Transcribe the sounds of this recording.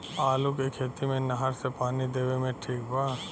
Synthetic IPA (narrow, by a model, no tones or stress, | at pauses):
aːlukekʰeːt̪imẽnɐɦəɾsepaːnid̪eːʋemẽʈʰiːk̚baː